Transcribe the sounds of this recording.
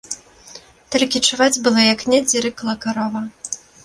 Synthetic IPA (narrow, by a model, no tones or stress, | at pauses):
t̪ɔlʲkʲit͡ʂɨvad͡zʲbɨlˠɔjaknʲɛd͡zʲiɾɨklˠɐkaɾɔvɐ